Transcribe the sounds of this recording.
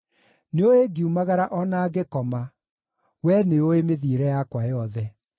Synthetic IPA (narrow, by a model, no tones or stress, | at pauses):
neoeɡiumaɣaɾaʔɔnaːɡekɔma | wɛneoemeðiɾɛjakwajɔðɛ